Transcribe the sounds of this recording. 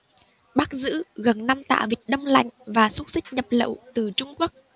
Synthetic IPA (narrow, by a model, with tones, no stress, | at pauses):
ɓaː˦˥k̚zɨ̰˧˥ɣə˨˩nna˧mt̪a̰ː˧˨vi˨˩k̚ɗə˧wŋ͡mla̰˧˨jŋ̟vaː˨˩sʊ˦˥t̚sï˦˥k̟̚ɲə˨˩p̚lə̰˧˨wt̪ɨ˨˩t͡ɕʊ˧ŋ͡mku˦˥ək̚